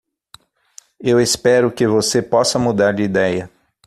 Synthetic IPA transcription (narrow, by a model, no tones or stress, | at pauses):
ewespɛɾʊkɪvosepɔsɐmud̪aɾd͡ʒɪid̪ɛjɐ